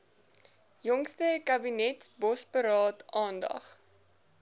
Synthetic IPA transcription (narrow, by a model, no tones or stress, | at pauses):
jɔŋstəkɐbinɛtsbɔspəɾɑːtɑːndɐ̰χ